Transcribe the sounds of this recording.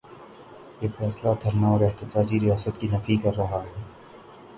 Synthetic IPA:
jeːfɛːslad̪ʱɐɾnaɔːɾɛht̪ət̪ɾaːd͡ʒiɾijaːsət̪kinɐfikɐɾːɐɦaɦɛː

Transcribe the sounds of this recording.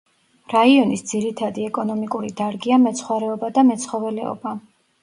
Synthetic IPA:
ɾaiɔnisd̪ziɾit̪ʰad̪iɛkʼɔnɔmikʼuɾid̪aɾɡiamɛt̪sʰχwaɾɛɔbad̪amɛt̪sʰχɔvɛlɛ̰ɔ̰ba

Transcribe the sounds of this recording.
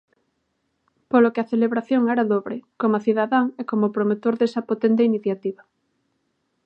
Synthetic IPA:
polokeɐθeleβɾaθjoŋɛɾaðoβɾɪkomɐθiðaðaŋekomopɾomet̪oɾðesɐpot̪ɛnt̪̬einiθjat̪iβɐ

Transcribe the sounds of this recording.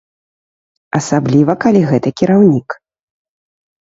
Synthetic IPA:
ɐsablʲivɐkalʲiɣɛt̪ɐkʲiɾawnʲik

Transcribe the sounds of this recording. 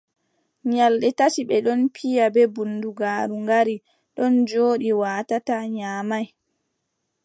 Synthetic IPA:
ɲalɗɛtat͡ʃiɓɛɗɔnpʰijabɛbunduɡaːɾuŋɡaɾi | ɗɔnd͡ʒoːɗiwaːtataɲaːmaj

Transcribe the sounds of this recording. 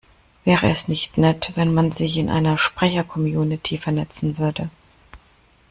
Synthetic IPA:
v̥ɛːʁəɛsnɪçtnɛtvɛnmanzɪçɪnʔa̰ɪnɐʃpʁ̥ɛçɐkʰɔmjuːnitʰiːfɛɐnɛt͡sn̩vʏɐdə

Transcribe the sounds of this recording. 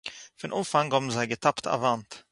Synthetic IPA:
fɪnʔumfaŋhɔbm̩zaɪɡətʰaptʰa̰vant

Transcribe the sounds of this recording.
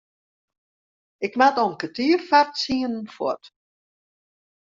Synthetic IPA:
ɪkmatɔnkətiːrfartsiənn̩fɔ̰t

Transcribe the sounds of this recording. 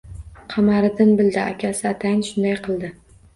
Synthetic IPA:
qʰɑmaɾɪd̪ɪnbɪld̪ɪa̰kʲʰasɪat̪ʰajɪnʃʊnd̪ajqʰɨlˠd̪ɪ

